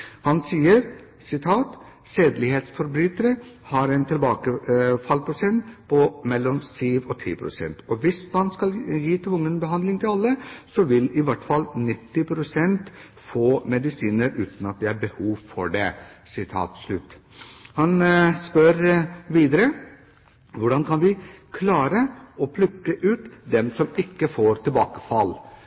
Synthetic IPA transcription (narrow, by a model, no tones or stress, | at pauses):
hɑnsiːəɾ | sɪt̪ʰɑːt̪ | seːd̪lɪheːt̪sfɔɾbɾyːt̪əɾəhɑɾɛɪnt̪ʰɪlbɑːkəfɑlpʰɾʊsɛnt̪pʰɔmɛlːɔmsyːʋɔt̪ʰḭːpʰɾʊ̰sɛ̰nt̪ɔʋɪsmɑnskɑljiːt̪ʰʋʊŋːənbəɦɑnd̪lɪŋt̪ʰɪlɑlːəsɔʋɪlɪʋɑʈːfɑlnɪt̪ːɪpʰɾʊsɛnt̪ | foːmɛd̪ɪsiːnəɾʉːt̪nɑt̪̚d̪ɛæɾbəhuːʋfɔɖɛsɪt̪ʰɑ̰ːt̪slʉt̪hɑnspœɾʋiːd̪əɾə | ʋʊɖɑnkʰɑnʋɪkʰlɑːɾəɔpʰlʉkːəʔʉːt̪d̪ɛmsɔmɪkːəfoːɾt̪ɪlbɑːkə̥fɑlː